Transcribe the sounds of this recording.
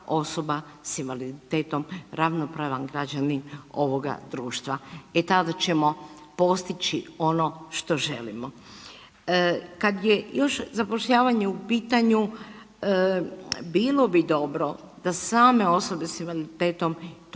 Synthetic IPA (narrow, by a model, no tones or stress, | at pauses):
o̞so̞ba | sinʋalid̪it̪eːt̪o̞mɾaʋnopɾaʋanɡɾad͡ʒanino̞ʋo̞ɡa̰d̪ɾuːʃt̪ʋaet̪ad̪at͡ʃe̞mo̞po̞st̪it͡ʃio̞no̞ʃt̪o̞ʒe̞̰lḭmo | kad̪jejo̞ʃzapo̞ʃʎaːʋaɲeupiːt̪aɲu | biːlo̞bid̪o̞bɾo̞ | d̪̥asaːme̞o̞so̞be̞sinalit̪et̪o̞mt̪